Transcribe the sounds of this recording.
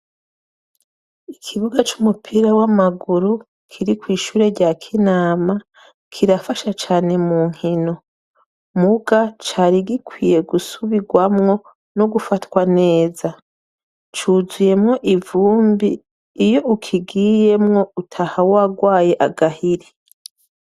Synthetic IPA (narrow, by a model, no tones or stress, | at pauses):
ikʰiβuɡat͡ʃumupʰiɾawamaɡuɾu | kʰiɾikwiːʃuːɾe̞ɾɟakʰinaːma | kʰiɾafaʃat͡ʃaːne̞muːŋ̥hino̞ | muɡat͡ʃaːɾiɡikwiːje̞ɡusuβiɡwamŋo̞ | no̞ɡufatwane̞ːza | t͡ʃuːzuje̞mŋo̞ʔivuːmbiː | jo̞ukʰiɡije̞mŋo̞utʰahawaɡwaːje̞ʔaɡahiɾi